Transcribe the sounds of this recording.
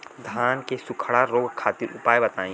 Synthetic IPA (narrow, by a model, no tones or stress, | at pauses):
d̪ʱaːnkesʊkʰɽaɾoːɡkʰːaːt̪ɪɾʊ̰paːjbɐt̪aːĩː